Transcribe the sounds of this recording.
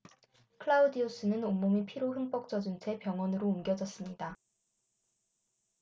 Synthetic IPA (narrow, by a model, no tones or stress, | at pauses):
kʰɯɭaudios͈ʰɯnɯnomːomipʰiɾoɦɯŋp͈ʌk̚t͡ɕ͈ʌd͡ʑunt͡ɕʰe̞pjʌŋwʌnɯɾoumɡjʌd͡ʑʌs͈ɯmɲida